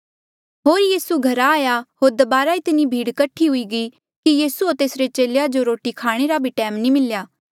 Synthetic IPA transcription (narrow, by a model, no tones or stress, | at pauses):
ɦoːɾjiːsuɡʱɐɾaːjaɦoːɾd̪ɐbaːɾait̪ɪnibʱiːɽkɐʈʰiɦʊiɡi | kijiːsuot̪eːsɾet͡ʃeːlejad͡ʒoɾoːʈikʰaːɽ̃eɾabʱiʈɛːmnĩmɪljaː